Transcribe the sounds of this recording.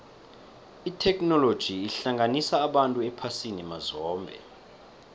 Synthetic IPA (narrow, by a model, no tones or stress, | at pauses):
itʰɛknɔlod̥ʒ̥ʱiːɬaŋanisaːɓantʼuɛpʰasinɛmazɔːmbʱɛ̰